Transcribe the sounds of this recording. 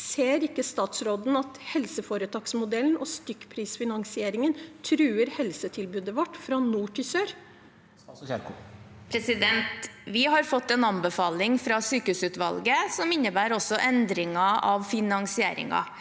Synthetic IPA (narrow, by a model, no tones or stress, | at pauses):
seːɾɪkːəst̪ɑːt̪sɾoːd̪n̩ɑt̪hɛlsəfoːɾət̪ʰɑːksmʊd̪ɛln̩ʔɔst̪ʏkpʰɾiːsfɪnɑŋsɪeːɾɪŋənt̪ʰɾʉːəɾhɛlsət̪ʰɪlbʉːd̪əʋɔʈːfɾɑnuːʈʰɪsøːɾ | pʰɾɛsɪd̪ɛnt̪ʋɪɦɑɾfɔt̪ːɛnɑnbəfɑːlɪŋfɾɑsyːkəhʉːsʉːt̪ʋɑ̰lɡəsɔmɪnːəbæːɾɔsːɔʔɛnd̪ɾɪŋɑʔɑʋfɪnɑŋsɪeːɾɪ̰ŋɑ̰